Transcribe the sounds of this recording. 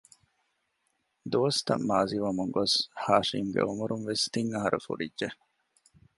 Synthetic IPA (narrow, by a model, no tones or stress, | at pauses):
d̪uʋɐst̪ɐ̰mːaːziʋɐmuŋɡoshaːʂimɡḛumuɾunʋest̪iŋɐɦɐɾʔṵfṵɖidʒe